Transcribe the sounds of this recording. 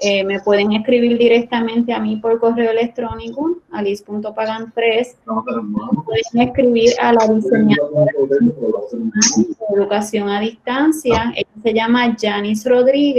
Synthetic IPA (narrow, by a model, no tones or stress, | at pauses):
eme̞pwe̞ðe̞ŋe̞skɾiβiɾd̪iɾe̞k̚t̪amẽ̞nt̪eamipo̞ɾko̞re̞oele̞k̚t̪ɾo̞nikoalispunt̪opaɣant̪ɾes | pweðeŋeskɾiβiɾalaðiseɲa | eðukasjo̞ŋaðist̪ansjaḛase̞ʝamaʝanisro̞ðɾiɣe